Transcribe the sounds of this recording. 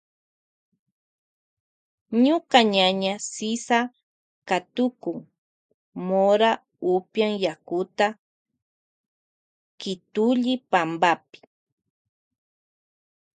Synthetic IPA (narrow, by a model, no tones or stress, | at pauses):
ɲʊkaɲaɲasɪsa | kat̪ʊkʊŋ | moɾa | upjaŋjakʊt̪a | kɪt̪uʎɪpambapɪ̥